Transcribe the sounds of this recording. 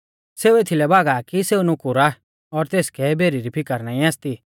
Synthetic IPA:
seːuet̪ʰilɛbʱaːɡakiseːunʊkʊɾa | ɔːɾt̪eːskʰɛbʱeːɾiɾipʰɪkəɾnãːĩãːst̪i

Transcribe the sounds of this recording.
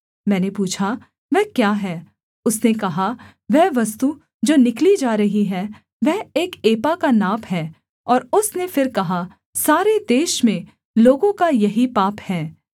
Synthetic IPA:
mɛ̃ːnepuːt͡ʃʰa | ʋɛɦkjaːɦɛː | ʊsnekɐɦa | ʋɛɦʋɐst̪u | d͡ʒoːnɪklid͡ʒaːɾɐɦiɦɛ | ʋɛɦeːkeːpakanaːpɦɛː | ɔːɾʊsnefɪɾkɐɦa | saːɾed̪eːʃmẽ | loːɡõkajɐɦipaːphɛː

